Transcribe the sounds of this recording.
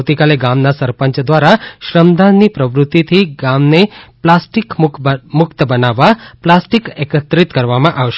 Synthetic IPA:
wt̪ikaleɡamnasəɾpəɲt͡ʃd̪ʋaɾaʃɾəmd̪anːipɾəʋɾʊt̪ːit̪ʰiɡamneplasʈikmʊkt̪əbənaʋːaplasʈikekət̪ɾit̪kəɾʋamãʔaʋʃe

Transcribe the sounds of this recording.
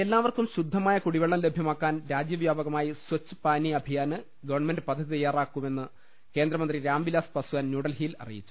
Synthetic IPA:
e̞lːaːʋɐrkumɕud̪ʱːɐmaːjɐkuɽiʋeɭːɐmlebʱjɐmaːkːaːnɾaːd͡ʑjɐʋjaːbɐɣɐmaːjiswɐt͡ɕːɨ̥paːniɐbʱijaːnɨ | ɡɐʋɐrnɐme̞nɖɨpɐd̪ʱːɐðit̪ɐjaːraːkːume̞nːɨ | ke̞ːnd̪ɾɐmɐnd̪riɾaːmbilaːspɐsuwaːnnuːɽɐlhiːlɐ̰rḭjit͡ɕːu̥

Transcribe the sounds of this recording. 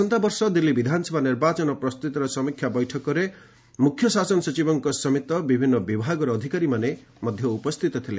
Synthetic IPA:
ɔnt̪abɔɾsɔd̪ilːibid̪ʱanɔsebaniɾbat͡ʃɔnɔpɾɔst̪ut̪iɾɔsɔmikʰjabɔjʈʰɔkɔɾe | mukʰjɔsasɔnɔsɔt͡ʃibɔŋkɔsɔmit̪ɔbibʱinːɔbibʱaɡɔɾɔːd̪ʱikaɾimane | mɔd̪ʱjɔupɔst̪ʰit̪ɔt̪ʰile

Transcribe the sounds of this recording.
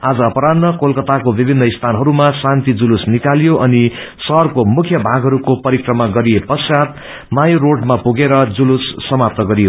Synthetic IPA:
ad͡zʌːpʌɾadnːʌkolkʌt̪akobibʱinːʌist̪ʰanɦʌɾumasant̪id͡zulusnikaljoʔʌnisʌɦrkomukʰjʌbʱaɡʱɦʌɾukopʌɾikrʌmaɡʌɾijepʌsat̪ | majoroɖmapuɡeɾʌd͡zulusːʌmap̚t̪ʌɡʌɾijo

